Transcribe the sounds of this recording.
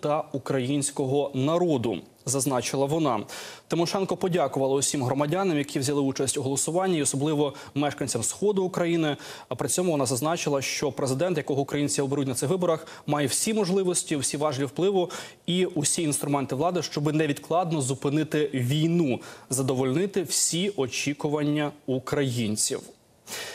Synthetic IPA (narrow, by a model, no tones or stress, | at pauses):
t̪ɐukɾɐjinʲsʲkɔɦɔnɐɾɔd̪ʊ̰ | zɐznɑt͡ʃɪlˠɐʋɔnɑt̪ɪmɔʃɛnkɔpɔdʲakʊʋɐlˠɐʊsʲimɦɾɔmɐdʲanɛmjɐkʲiwzʲɐlˠɪut͡ʃɐsʲtʲuɦɔlˠɔsʊʋɑnʲːɐiɔsɔblˠɪʋɔ | mɛʃkɐnʲt͡sʲɐmsxɔd̪ʊːkɾɐjinɪ | ɐpɾɪt͡sʲɔmʊʋɔnɑzɐznɑt͡ʃɪlˠɐʃt͡ʃɔpɾezɪd̪ɛnt̪jɐkɔɦɔʊkɾɐjinʲt͡sʲiɔbeɾutʲnɐt̪ɪxʋɪbɔɾɐx | mɑjɛwsʲimɔʒlˠɪʋɔsʲtʲiwsʲiʋɑʒlʲiwplˠɪʋʊ | iusʲiinst̪ɾʊmɛnt̪ɪʋlˠɑd̪ɪʃt͡ʃɔbɪnɛʋʲid̪klˠɑd̪nɔzʊpɪnɪt̪ɪʋʲijnuzɐd̪ɔʋɔlʲnɪt̪ɪwsʲiɔt͡ʃʲikʊʋɐnʲːɐukɾɐjinʲt͡sʲḭw